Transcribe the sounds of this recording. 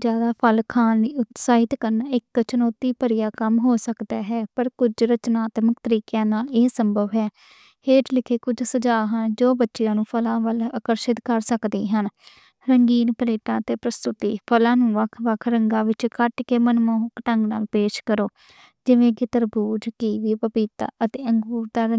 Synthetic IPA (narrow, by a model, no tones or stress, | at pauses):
d͡ʒjaːd̪aːpʰəlkʰaːniʊt̪saːɪt̪kəɾnɪkːt͡ʃənɔːt̪iːpəɾɪjaːkəmɦoːsəkd̪aːɦɛːpəɾkʊd͡ʒɾət͡ʃnaːt̪məkt̪əɾiːkaːnaːleːsəmbəʋɦɛː | eːʈlɪkʰeːkʊd͡ʒsəd͡ʒaːɦənd͡ʒoːbətːʃɪjãːnũːpʰəlãːʋələkəɾʃɪt̪kəɾsəkd̪iːɦən | ɾəŋɡiːnpəleːʈãːt̪eːpɾəst̪ʊt̪ḭːpʰəlãːnũːʋəkʰʋəkʰɾəŋɡãːʋɪt͡ʃkʰəʈkeːmənmoːɦkʈə̃ŋɡna̰ːlpeːʃkəɾoː | d͡ʒɪʋẽːkɪt̪əɾbuːd͡ʒkiːʋiːpəpiːt̪a̰ːʔət̪eːəŋɡuːɾd̪aːɾə